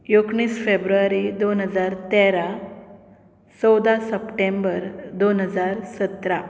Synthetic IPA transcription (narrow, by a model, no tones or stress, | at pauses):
jokɳ̃iːsfebɾuaɾid̪onɦəd͡zaɾt̪ɛɾa | t͡sɔwd̪asəpʈẽmbəɾd̪onɦəd͡zaɾsət̪ɾa